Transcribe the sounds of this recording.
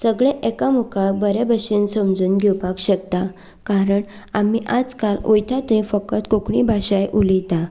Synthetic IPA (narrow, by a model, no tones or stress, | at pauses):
səɡɭẽʔekamukʰabəɾɛbəɕinsəmd͡zuːnɡʱɛwpakɕək̚t̪a | kaɾəɳ | amiʔad͡zkalojt̪ʰat̪ĩfəkət̪kokɳ̃ibʱaɕajʔulit̪a